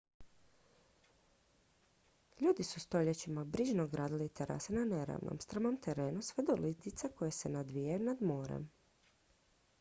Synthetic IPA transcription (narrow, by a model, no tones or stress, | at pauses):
ʎuːd̪isust̪o̞ʎet͡ɕimabɾiʒnoɡɾaːd̪ilit̪eɾʔa̰senaneɾa̰ʋnʔo̰mst̪ɾamomt̪eɾeːnusʋed̪olit̪it̪sako̞jese̞nad̪ʋijajunad̪mo̞ːɾḛm